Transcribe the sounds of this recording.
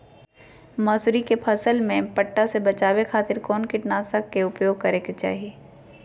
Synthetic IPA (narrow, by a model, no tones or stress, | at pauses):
mɐːsʊɾikepʰɐsəlmẽpɐʈːasebɐt͡ʃaːwekʰaːt̪ɪɾkɔːnkɪʈnaːsəkːeʊpjoːɡ̚kɐɾeket͡ʃa̰ːɦieː